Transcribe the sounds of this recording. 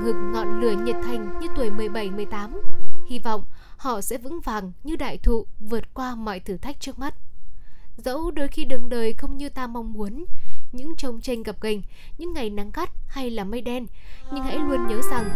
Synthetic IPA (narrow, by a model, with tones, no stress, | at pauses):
ŋɨ˨˩ək̚ŋɔ˨˩nlɨ˨˧˩əɲə˨˩t̚t̪ʰa˨˩jŋ̟ɲɨ˧t̪wə˨˩jmɨ˨˩əjɓa˧˩jmɨ˨˩əjt̪aː˨˦mhi˧vɔ̰˧˨wŋ͡m | hɔ̰˧˨sɛ̰˧˥vɨ̰˧˥ŋvaː˨˩ŋɲɨ˧ɗa̰ː˧˨jt̪ʰṵ˧˨vɨ˨˩ət̚kwaː˧mɔ̰˧˨jt̪ʰɨ˧˩t̪ʰa˦˥jk̚t͡ɕɨ˦˥ək̚ma˦˥t̚ | zə̰˧˥wɗo˧jxi˧ɗɨ˨˩ək̚ɗəː˨˩jxə˧wŋ͡mɲɨ˧t̪aː˧ma˧wŋ͡mmu˨˦ənɲɨ̰˧˥ŋt͡ɕə˧wŋ͡mt͡ɕe˧ŋ̟ɣə˨˩p̚ɣa˨˩jŋ̟ | ɲɨ̰˧˥ŋːa˨˩jna˨˦ŋɣa˦˥t̚ha˧jlaː˨˩mə˧jɗɛ˧nɲɨ˧ŋha̰˧˥jlu˧ənɲəː˨˦za˨˩ŋ